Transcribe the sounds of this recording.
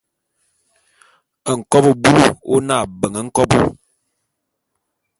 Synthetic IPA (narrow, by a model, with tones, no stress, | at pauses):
ə˨ŋ̩˨kɔ˦bo˨bu˦lu˦o˦na˦˨bə˨ŋə˨ŋ̩˦kɔ˦bu˦